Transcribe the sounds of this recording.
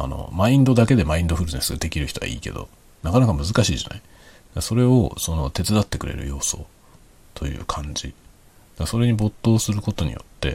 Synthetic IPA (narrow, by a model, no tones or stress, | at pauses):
a̰no̞̰maĩnd̪o̞d̪ake̞d̪e̞maĩnd̪oɸɯ̟ɾɯ̟nesɨɡad̪e̞kʲiɾɯ̟çi̥t̪o̞a̰ʔḭːke̞̰d̪o̞̰ | nakanakamɯ̟zɨkaɕiːʑanai | d̪aso̞ɾe̞o̞so̞no̞̰t̪e̞t͡sɨd̪at̪ːe̞kɯ̟ɾe̞̰ɾɯ̟̰jo̞ːso̞̰ː | t̪ʰo̞jɯ̟̰ːkʰãɲ̟d͡ʑi | d̪aso̞ɾe̞ɲ̟ibo̞t̪ːo̞ːsɨɾɯ̟ko̞t̪o̞ɲ̟ḭjo̞̰t̪ːe̞̰